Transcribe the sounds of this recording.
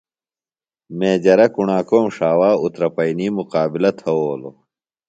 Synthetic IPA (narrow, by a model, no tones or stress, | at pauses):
meːd͡ʑɐɾɐkuɳaːkoːmʂaːwaːut̪ɾɐpɐiniːmuqaːbilɐt̪ʰɐwoːlo̰